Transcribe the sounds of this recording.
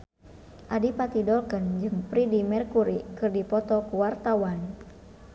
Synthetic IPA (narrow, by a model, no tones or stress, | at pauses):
ʔadipat̪idɔlkənd͡ʒɨŋpɾidimɛrkuɾikɨrdipɔt̪ɔkuwart̪awan